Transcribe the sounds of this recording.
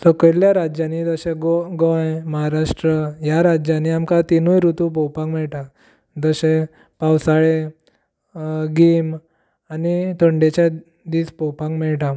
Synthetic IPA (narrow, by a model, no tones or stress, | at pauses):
sɔkəljaɾad͡ʑjanid̪əɕẽɡoɡəjməɦaɾaʂʈɾəjaɾad͡ʑjaniamkat̪inujɾut̪up̬ɔwpãŋɡmɛɭʈa | d͡z̪əɕẽ | pawsaɭe | ɡim | anit̪əɳɖet͡ɕa | d̪iːspɔwpãŋɡmɛɭʈa